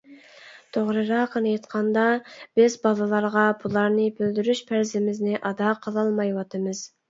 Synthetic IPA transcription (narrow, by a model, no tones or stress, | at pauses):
t̪ʰoʁɾɨɾɑqʰənɨjet̪qʰɑnd̪ɑb̥ɪzbɑlˠɨlˠɑɾʁɑbulˠɑɾnɨbøld̪yɾyʃpʰæɾzɪmɪznɪʔɑd̪ɑqʰəlˠɑlˠmɑjwɑt̪ʰɨmɨz̥